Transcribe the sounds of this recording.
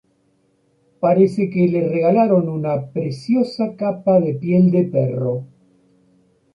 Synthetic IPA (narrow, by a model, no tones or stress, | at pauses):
paɾesekelereɣalaɾo̞nunapɾesjo̞sakapaðepje̞ld̪epero̞